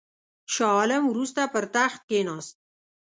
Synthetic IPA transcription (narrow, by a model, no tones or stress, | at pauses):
ʃɑləmwɾust̪apəɾt̪axt̪̚kenɑːst̪̚